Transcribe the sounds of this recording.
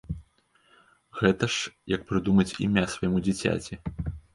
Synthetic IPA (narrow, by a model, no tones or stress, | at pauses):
ɣɛt̪ɐʂjɐk̚pɾɨd̪umɐt͡sʲḭmʲasvɐjimud͡zʲit͡sʲa̰t͡sʲi